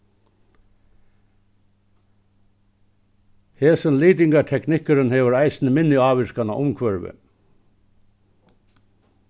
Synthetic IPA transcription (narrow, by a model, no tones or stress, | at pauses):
heːsənliːt̪ɪŋkaʈ̪ʰɛknɪhkʏɾɪnhɛːʋʏɾajsɪnɪmɪnjʏaːʋɪskanaʔʊmkʰʋœɹʋɪ̰